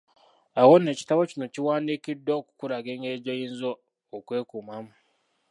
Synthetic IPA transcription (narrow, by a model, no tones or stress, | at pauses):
awonːe̞ːci̥taβo̞cino̞ciwaːndikidːoːku̥kuɾaɡeŋɡe̞ɟojiːnzoː | kwe̞ːkumamu